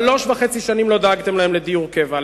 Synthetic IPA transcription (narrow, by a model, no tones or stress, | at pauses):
loʃvaχet͡siʃanimlo̞d̪aaɡt̪e̞mlahemled̪ijuʁkeva